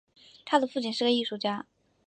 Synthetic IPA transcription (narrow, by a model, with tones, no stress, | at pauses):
t̪ʰa˥d̪ə˨fu˥˩t͡ɕi˥˩nʂɻ̩˥˩ə˨˩i˥˩ʂu˥˩t͡ɕja˥